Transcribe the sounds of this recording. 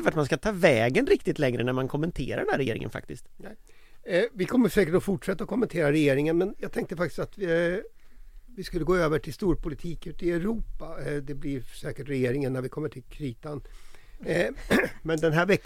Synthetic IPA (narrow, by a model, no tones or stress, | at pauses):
əfæt̪manskat̪ʰɑːvɛːɡənɾɪkt̪ɪt̪lɛŋɾənæɾmankʰɔmːɛnt̪ʰḛːɾaɾɖɛnæɾɛjḛːɾɪ̰ŋə̰nfa̰k̚t̪ɪskt̪ | vɪkʰɔmːəʂɛːkəʈɔfʊʈʂɛt̪ːaɔkʰɔmːɛnt̪ʰeːɾaɾɛjeːɾɪŋənmɛnjɑːɡt̪ʰɛŋk̚t̪əfak̚t̪ɪ̥st̪at̪ | vɪskɵlːəɡoːøːvəʈʰɪlst̪uːɾpʰʊlɪt̪ʰiːkʉ̟ːt̪ɪɛɾuːpad̪ɛblɪɾsɛːkəʈɾɛjeːɾɪŋənːæɾvɪkʰɔmːəʈʰɪlkʰɾiːt̪an | mɛnd̪ɛnɦæːɾvɛkː